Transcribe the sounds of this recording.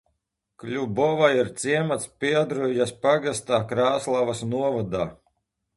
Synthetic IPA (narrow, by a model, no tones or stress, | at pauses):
klʲubɔvaiɾt̪siɛmat̪spiɛd̪ɾujaspaɡast̪aːkɾaːslˠavasnuɔvad̪aː